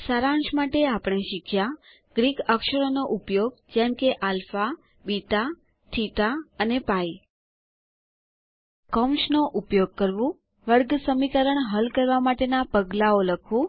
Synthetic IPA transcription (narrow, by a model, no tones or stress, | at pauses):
saɾãɳʃmaʈeapɳ̃eʃikʰja | ɡ̥ɾikəkʃəɾonoʔupjoɡ̚d͡ʒɛmkeʔalfa | bit̪a | t̪ʰit̪aənepai | kɔmʃnoʔupjoɡ̚kəɾʋũ | ʋəɾɡsəmikəɾəɳɦəlkəɾʋamaʈenapəɡlaoləkʰʋũ